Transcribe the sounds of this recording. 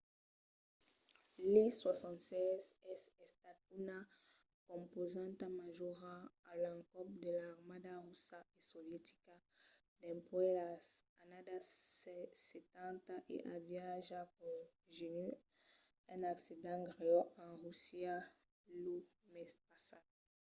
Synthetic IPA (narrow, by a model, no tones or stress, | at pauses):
liswasɑ̃nt̪sɛzɛsɛst̪at̪una | kɔ̃mpozãnt̪amaʒɔʁaːlãŋkɔp̚d̪elaːʁmad̪aʁusaesɔvjɛt̪i̥ka | d̪ɛ̃pwelaanad̪asɛset̪ãnt̪aʔḛʔãvjaʒakɔ̃ | ʒeny | ɛ̃naksid̪ãɡʁeɔãʁusja | lu | mɛspasad̚